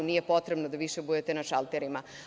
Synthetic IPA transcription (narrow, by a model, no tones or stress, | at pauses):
unije̞po̞t̪ɾebnod̪aʋiʃebud̪et̪enaʃalˠt̪eɾima